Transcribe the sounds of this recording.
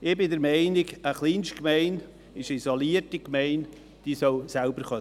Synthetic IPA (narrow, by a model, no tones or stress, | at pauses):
ɪbɪdəɾmɛɪnɪɡəχliːnstkmɛɪn | ɪʃisoliːətikmɛɪn | d̥isoʊsalbəɾχɑ